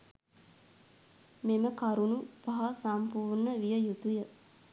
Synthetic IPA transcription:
meməkaɾunubaɦasampuːɾnəʋijəjut̪ujə

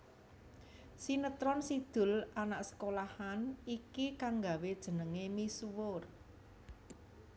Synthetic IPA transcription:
sinət̪ɾɔnsid̪̥ʊ̤lanaʔsə̥kolahanikikaŋɡa̤wed̥ʒ̥ə̤nəŋemisuwʊr

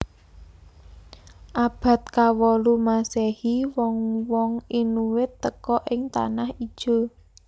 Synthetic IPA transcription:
ʔab̥a̤t̪̚kawɔlumasɛhiwɔŋwɔŋinuwɪt̪ːəkɔʔɪŋt̪a̰nahid̥ʒ̥o̤

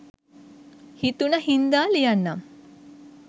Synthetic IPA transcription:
hit̪unəhind̪aːlijanːam

